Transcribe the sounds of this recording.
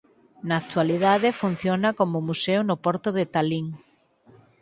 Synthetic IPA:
naːkt̪waliðaðefun̟θjonakomʊmuseunopoɾt̪oðet̪aliŋ

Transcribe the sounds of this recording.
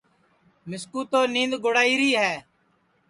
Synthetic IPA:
mɪskuːt̪oːnĩːnd̪ɡoɽaːiːɾiːɦɛː

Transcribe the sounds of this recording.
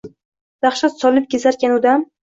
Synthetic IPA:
d̪̥aχʃɒt̪sɒlˠɪp̚ɡʲezaɾkʲanʊd̪am

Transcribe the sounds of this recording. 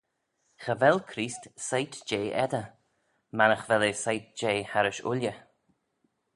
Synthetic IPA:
xəvɛlkʰɾiːst̪sajt̪d͡ʒeːʔɛd̪ə | manəxvɛlesajt̪̚d͡ʒeːhaɾɪʃʊ̰ljə

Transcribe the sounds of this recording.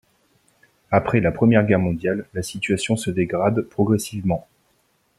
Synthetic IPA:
apχɛlapχəmjɛʁɡʲɛʁmɔ̃d̪jalːasit̪ɥasjɔ̃səd̪eɡʁad̪pχɔɡʁɛsivmɑ̃

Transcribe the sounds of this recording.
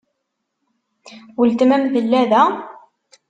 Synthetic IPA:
wəlt̪mæmðəlːæðæ

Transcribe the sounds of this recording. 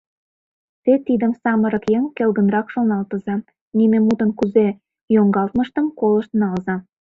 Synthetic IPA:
t̪et̪ːid̪ə̆msɑməɾɤ̆kjeŋkelɡə̆nɾɑkʃonɑlˠt̪ɤ̆zɑ | nimemut̪ə̆nkyze | joŋɡɑlˠt̪mə̆ʃt̪ə̆mkolə̆ʃt̪ə̆nɑlzɑ

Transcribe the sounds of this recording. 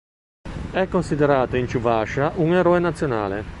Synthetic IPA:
ɛkːonsid̪eɾaːt̪oint͡ʃuvaʃaʔuŋeɾɔːenat̪sːjona̰ːlḛ

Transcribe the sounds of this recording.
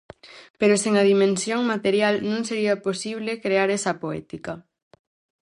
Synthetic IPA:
peɾoseŋɐðimẽnsjoŋmat̪eɾjalnũŋseɾiɐposiβ̞lekɾeaɾɛsɐpoɛ̰t̪ikɐ

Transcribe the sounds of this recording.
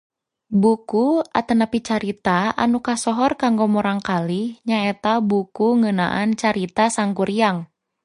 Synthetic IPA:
bukuat̪ənapit͡ʃaɾit̪aa̰nukasɔɦɔrkaŋɡɔmɔɾaŋkaliɲaɛt̪abukuŋəna̰ʔant͡ʃaɾit̪asaŋkuɾiaŋ

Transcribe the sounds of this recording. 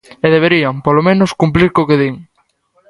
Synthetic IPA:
eðeβ̞eɾiaŋpolomẽnoskumpliɾkokeðiŋ

